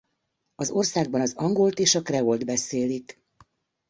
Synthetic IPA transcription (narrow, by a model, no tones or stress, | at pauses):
ɒzo̞rsaːɡ̚bɒnɒzɒŋɡolt̪eːʃɒkrɛold̪bɛseːlik